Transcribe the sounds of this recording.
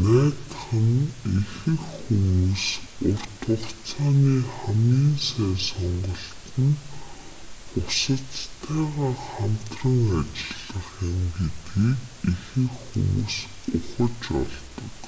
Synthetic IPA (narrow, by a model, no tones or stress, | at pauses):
næːt̪χə̆nixɘ̆xxumuːsʊrt̪ʰʊχt͡sʰaːniːχamɡiːnsæːsɔɴɢɞ̆ɬt̪ɘ̆n | ʊsə̆t͡st̪ʰæːʁaːχam̥t̪rə̆ŋat͡ɕɪ̆ɮə̆χɪmɡet̪ɡiːkixɘ̆xxṵmṵːs | ʊχə̆t͡ɕɔ̰ɮt̪ə̥̆k